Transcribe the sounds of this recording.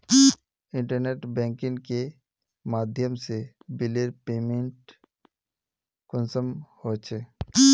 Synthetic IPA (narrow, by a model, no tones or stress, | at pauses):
ɪ̃ɳʈəɾneːʈbɛ̃ːŋkɪ̃ŋɡke | maːd̪ʱjəmsebɪleɾpeːmẽɳʈ | kʊnsəmhot͡ʃʰe